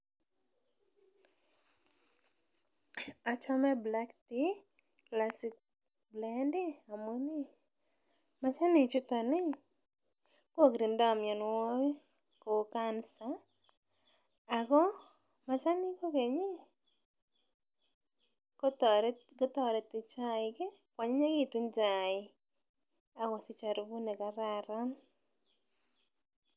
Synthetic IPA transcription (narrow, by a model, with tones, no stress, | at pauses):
a˨t͡ʃɔ˦mɛ˦bla˦kt̪i˦ | klasik̚ | blɛndɪ˦a˨mo˦ni˦ | ma˨sa˦ni˨t͡ʃʊ˦t̪ɔ˨nɪ˦ | ko˦˨ɡɾi˨ndɔ˦˨mjɔ˨nwɔ˦ | ko˨kansa˦˨ | ɡɔ˦ | ma˨sa˦nɪ˦ko˦ke˨ɲe˦ | ko˦tɾɡo˦tɔ˦˨ɾɛ˨tɪ˨t͡ʃa˦ɪ˨ɡe˦ | kwa˨ɲe˦ɲa˦ɡi˦tu˦nd͡ʒa˨ɪ˨ | a˦wa˨sɪ˦t͡ʃa˨ɾo˨bu˦nɛ˨ka˨ɾa˨ɾa˦n